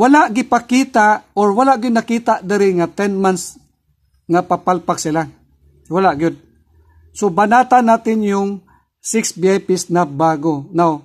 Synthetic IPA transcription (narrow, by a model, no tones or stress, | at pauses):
walaʔɡɪpakiːt̪aʔoɹwalaʔɡɪd̪nɐkiːt̪aʔd̪ɪɾɪŋat̪ɛnmans | ŋapapalpaksɪla | walaʔɡʊd̪̚ | sobanaːt̪anːaːt̪ɪnjʊŋ | sɪksbiajpisnabaːɡonaw